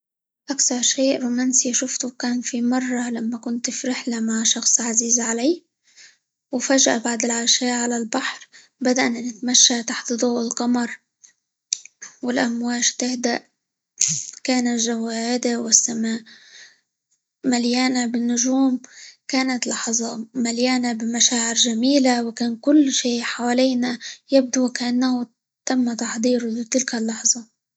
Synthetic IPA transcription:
ʔakθɑɾˤʃeːʔɾuːmaːnsiʃʊft̪ukaːnfimɑrˤːɑlamːakʊnt̪fiɾɪħlamaʕʃɑxsˤʕaziːzʕalaj | wfaʒʔabaʕd̪ɪlʕaʃaːʔʕalalbaħɾ | bad̪aʔnanɪt̪maʃːat̪aħt̪d̪ˤuːʔɪlqɑmɑɾˤ | wɪlʔamwaːʃt̪ɪhd̪aʔ | kaːnaʒawaːʔɪd̪awɪsːamaːʔ | maljaːnabɪnːʊʒuːmkaːnat̪lɑħzˤɑmaljaːnabɪmaʃaːʕɪɾʒamiːlawɪkaːnkʊlːʃiːħawaliːnajɪb̚d̪ukaʔanːahʊ | t̪amːat̪ɑħd̪ˤiːɾʊlɪt̪ɪlkalːɑħzˤɑ

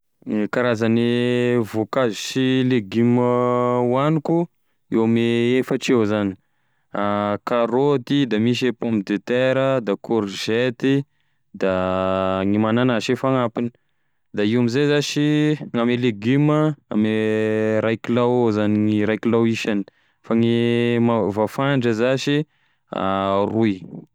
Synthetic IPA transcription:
kaɾazanivokaziʃileɡiməwaniku | ewameefəʈ͡ʂewzani̥ | akaɾot̪id̪amiʃ̬epompid̪et̪eɾəd̪akʰuɾʒet̪i | d̪a | ŋimananaʃefaŋapini̥ | d̪aiwamizezaʃiŋameleɡiməa̰meɾajkilawzaniŋiɾajkilawiʃani̥ | faŋimavafaɳɖ͡ʐəzaʃi | a̰ruj

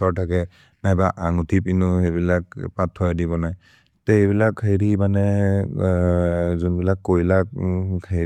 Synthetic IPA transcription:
ɔɹtʰakɛ | najbaʔaŋutʰipinuhebilak̚patʰːɔjadibɔnaj | tɛejbilakʰːajɾimanɛ | zunbilakːojlak̚kʰa

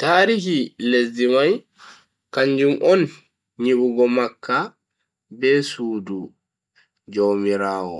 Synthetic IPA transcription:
taːɾihiles̬dimaj | kaɲd͡ʒumʔɔn | ɲiɓuɡɔmakːa | bɛsuːdu | d͡ʒomiɾaːwɔ̰

